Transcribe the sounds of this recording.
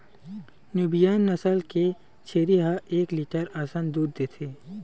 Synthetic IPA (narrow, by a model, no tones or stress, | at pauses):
njuːbijaːnːɐsəlke | t͡ʃʰeːɾiɦaʔeːkliːʈəɾaːsaːnd̪uːd̪d̪eːt̪ʰeː